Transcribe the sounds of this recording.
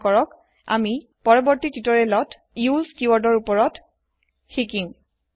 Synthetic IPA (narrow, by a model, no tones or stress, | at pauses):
kɔɹɔk | a̰mi | pɔɹɔbɔɹtititɔɹɛlɔt | julskuwɔɹdɔɹupɔɹɔt | xikiŋ